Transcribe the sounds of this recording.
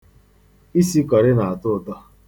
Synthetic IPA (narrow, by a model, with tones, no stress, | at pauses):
i˦si˦kɔ˨ɾɪ˦na˨a˨tʊ˦˨tɔ˦